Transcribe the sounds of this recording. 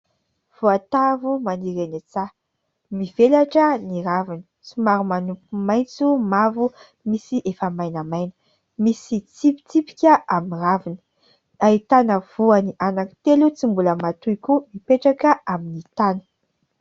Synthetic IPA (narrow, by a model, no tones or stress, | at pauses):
v̥oat̪avumaniɾenit͡sa | mivelaʈ͡ʂəniɾavinə̥t͡simaɾumanupumaj̃nt͡sumavu | misiʔefəmajnamajnə̥ | misit͡sipi̥t͡sipi̥kʲəʔaminravinə̥ | ait̪anəvuaniʔanaki̥t̪elut͡simbuləmat̪ujkumipeʈ͡ʂakəaminit̪anə̥